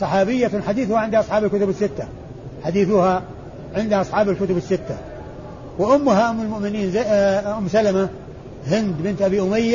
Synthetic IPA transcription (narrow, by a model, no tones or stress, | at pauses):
sˤɑħɑːbɪjːaħad̪iːθʊhaʕɪnd̪ʔɑsˤħɑːbɪlkʊt̪ʊbɪsːɪt̪ːa | ħad̪iːθʊha | ʕɪnd̪haʔɑsˤħɑːbɪlkʊt̪ʊbɪsːɪt̪ːa | wɪʔʊmːʊɦaʔʊmːɪlmʊʔmɪniːnzʔʊmːsalama | hɪnd̪bɪnt̪ʔabiːʔʊmajːa